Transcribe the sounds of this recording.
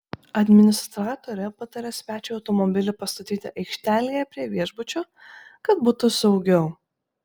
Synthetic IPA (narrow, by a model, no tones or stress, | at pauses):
ɐd̪ʲmʲɪnʲɪst̪ɾɑːt̪oːɾʲɛpɑt̪ɐɾʲɛsʲʋʲæːt͡ʃʲɛɐʊt̪ɔmɔbʲɪlʲɪpɐst̪ɐt̪ʲiːt̪ʲɪʔɐɪkʃʲt̪ʲæːlʲijɛpʲɾʲiɛʋʲiɛʒbʊt͡ʃʲoː | kɐt̪̚buːt̪ʊsɒʊɡʲɛʊ